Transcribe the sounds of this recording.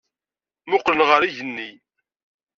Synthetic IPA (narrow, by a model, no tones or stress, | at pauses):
mʊqlənʁəɾiʝənːi